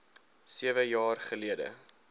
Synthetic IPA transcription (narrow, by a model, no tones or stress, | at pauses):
siəvəjɑːrχəliədə̰